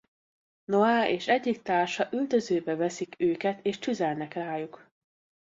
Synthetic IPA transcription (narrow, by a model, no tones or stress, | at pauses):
noaːʔeːʃɛɟːik̚t̪aːrʃɒʔyld̪ø̞zøːbɛvɛsikøːkɛt̪ʰeːʃt͡ʃyzɛlnɛkraːjuk